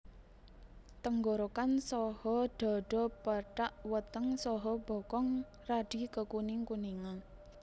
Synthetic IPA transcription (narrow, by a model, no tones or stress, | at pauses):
t̪əŋɡoɾokansɔhɔɖ̥ɔ̤ɖ̥ɔ̤pəʈaʔwət̪əŋsɔɦɔb̥ɔ̤kɔŋ | raɖ̥i̤kəkunɪŋkuniŋa